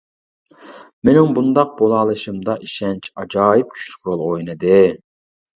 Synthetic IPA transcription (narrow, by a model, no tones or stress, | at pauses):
menɪŋbund̪ɑq̚b̥olˠɑːlˠɨʃɨmd̪ɑʔiʃɛnt͡ʃʰɑd͡ʒɑːjip̚kʲʰy̥t͡ʃly̥k̚ʲɾolˠojnɨd̪ɨ